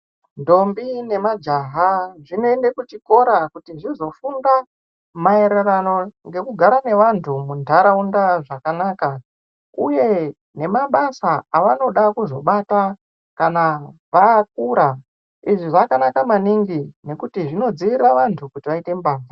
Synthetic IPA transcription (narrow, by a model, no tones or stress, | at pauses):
ndo̞mbine̞mad͡ʒaɦaʐino̞endekut͡ʃiko̞ɾakutiʐizo̞funda | mae̞ɾe̞rano̞ŋɡe̞kuɡʱaɾane̞ʋantʰumundʱaɾaundaʐakanaːka | uje̞ | ne̞maɓasaaʋano̞ɗakuzo̞ɓata | kanaʋaːk̚uɾa | iʐiʐakanakamaniŋɡine̞kutiʐino̞d͡ziʋiraʋantʰukutiʋaite̞mbaːna